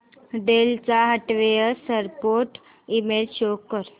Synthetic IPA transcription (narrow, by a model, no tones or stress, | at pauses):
ɖelt͡saɦəʈʋejəsəɾpoɾʈ | imelɕokːəɾ